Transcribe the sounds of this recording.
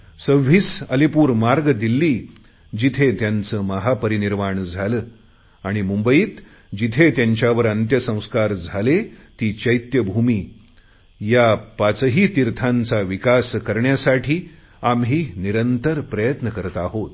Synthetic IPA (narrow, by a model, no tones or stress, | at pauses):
səʋisəlipuːɾmaɾɡd̪ilːiː | d͡ʑit̪ʰet̪jant͡səːməɦapəɾiniɾmaɳd͡zʱaləː | aɽ̃imumbəiːt̪ | d͡ʑit̪ʰet̪jaɲt͡ɕjaʋəɾənt̪jəsə̃w̃skaɾd͡zʱalet̪iːt͡ɕəjt̪jəbʱumiː | japat͡səɦiːt̪iɾt̪ʰãnt͡saʋikaskəɾɳjasaʈʰiː | amɦiːniɾənt̪əɾpɾəjət̪nəkəɾət̪aɦot̪